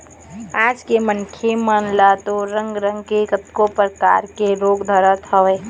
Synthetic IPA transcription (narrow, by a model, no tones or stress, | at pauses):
aːd͡ʒkemənkʰjemənlat̪oɾə̃ŋɡɾə̃ŋɡkekət̪kopəɾka̰ːɾkeɾoːɡd̪ʱəɾət̪ɦəʋeː